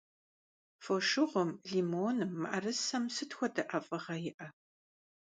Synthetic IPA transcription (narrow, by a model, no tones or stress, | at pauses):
foʃɨʁʷɔmɮimoːnɨmːɨʔɐrɨsɐmsɨtxʷɔdɐʔɐfʼɐʁɐjɪʔɐ